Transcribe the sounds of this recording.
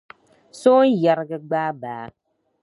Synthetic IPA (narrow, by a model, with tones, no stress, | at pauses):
soː˦n˦ja˨ɾɡə˦ɡ͡baː˦baː˨˦